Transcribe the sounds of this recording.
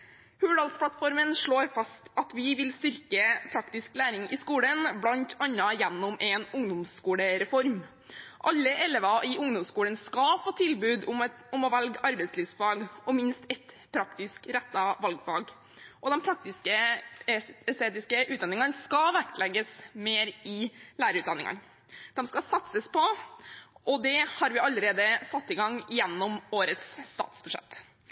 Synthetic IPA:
hʉʋɖ̪ɑlt̪spʰlɑt̪fɔɾmənʂɭoːɾfɑst̪ɑt̪ʋɪʋɪlst̪ʏɾkəpʰɾɑkt̪ɪsklæːɾɪŋʔɪskuːlənblɑnt̪ʰɑnːɑjɛnːɔmʔɛnʊŋd̪ʊmskuːɽəɾɛfɔɾm | ʔɑlːəʔɛlɛʋɑʔɪʔʊŋd̪ʊmskuːlənskɑfoːt̪ʰɪlbʉːd̪ʊm | ʊmɔʋɛlɡɑɾbɛɪt̪slyːʋsfɑːɡɔmɪnst̪ɛt̪ | pʰɾɑkt̪ɪskɾɛt̪ːɑʋɑlɡfɑːɡ | ʔɔd̪ɛnpʰɾɑk̚t̪ɪskə | ɛst̪eːt̪ɪskəʔʉːd̪ɑnɪŋɑnskɑʋæklɛɡːəsmeːɾɪlæːɾəɾʉːt̪d̪ɑnːɪ̰ŋɑ̰n | d̪̥ɛmskɑsɑt̪səspʰɔ | ʔɔd̪ɛhɑɾʋɪɑlːəɾeːd̪əsɑt̪ːɪɡɑŋjɛnːɔmoːɾət̪st̪ɑ̰ːt̪sbʉʂɛ̰t̪ː

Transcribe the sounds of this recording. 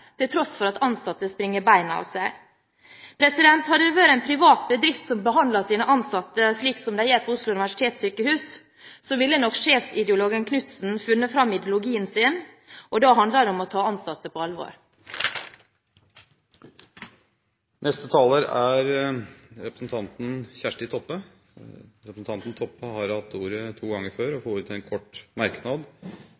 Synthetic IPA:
t̪ʰɪlt̪ʰɾɔsfɔɾɑt̪ɑnsɑt̪ːəspɾɪŋːəɾbæɪnɑ̰ːʋsæɪ | pʰɾɛsɪd̪ɛnt̪hɑd̪əʋøːɾəɛnpʰɾɪʋɑːt̪̚bəd̪ɾɪft̪sɔmbəɦɑnd̪lɑsiːnəʔɑnsɑt̪ːəsliːksɔmd̪æɪjɛpʰoʊslʊʉnɪʋæʂɪ̥t̪ʰeːt̪syːkəhʉːs | soʋɪlːənɔkʂeːfsɪd̪əʊloːɡənkʰnʉt̪sn̩fʉnːəfɾɑmɪd̪jʊlʊɡiːənsɪn | ʔɔd̪ɑːɦɑnd̪ləd̪ɛɔmɔt̪ʰɑːɑnsɑt̪ːəpʰoːɑlʋo̰ːɾ | nʔɛst̪ət̪ʰɑːləɾæɾ | ɾɛpɾəsn̩t̪ʰɑnt̪n̩çæʂʈɪt̪ʰɔpːə | ɾɛpɾsn̩t̪ʰɑnt̪nt̪ʰɔpːəhɑɾhɑt̪ːuːɾət̪ʰuːɡɑŋːəɾføːɾɔfoːɾʉːt̪ʰɪɛnkʰɔʈmɑɾknɑd̪

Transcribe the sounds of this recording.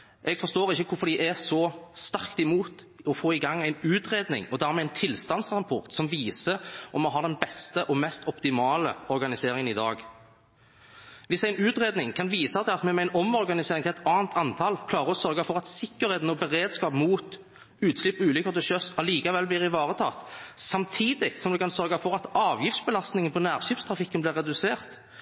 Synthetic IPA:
ʔɛɡfɔʁst̪oːʁɪçːəkʰʊfɔɾd̪ɪʔæsɔst̪ɑɾkt̪ɪmuːt̪ | ɔfoːɪɡɑŋːæɪnʉːt̪ʁeːd̪nɪ̰ŋɔd̪æʁɾmɛːæɪnt̪ʰɪlst̪ɑnsʁɑpʰɔʁt̪sɔmʋiːsəʔɔmːɔɦɑʁd̪ɛnbɛst̪əʔɔmɛst̪ɔpt̪ɪmɑːləɔɾɡɑnɪseːɾɪŋənɪd̪ɑːɡ | ʋɪsæɪnʉːt̪ʁeːd̪nɪŋkʰɑnʋiːsɑt̪ʰɪlɑt̪mɛmæɪnəɔmɔɾɡɑnɪseːɾɪŋt̪ʰɪlɛt̪ɑːnt̪ʰɑnt̪ʰɑlkʰlɑːʁəɔsœʁɡɑfɔʁɑt̪sɪkːəɾheːt̪nɔbəʁeːd̪skɑːpmuːt̪ | ʉːt̪slɪpːʉːlʏkəʁt̪ɪlʃœsɑliːkɑʋɛlbliːʁɪʋɑːʁət̪ʰɑ̰ːt̪sɑmt̪ʰiːd̪ɪk̪sɔmd̪ɛkʰɑnsœʁɡɑfɔʁɑt̪ɑːʋjɪftsbəlɑst̪nɪŋənpʰɔnæːʁʃɪfst̪ʰʁɑfɪkːənblɪːʁːɛd̪ʉseːʁt̪

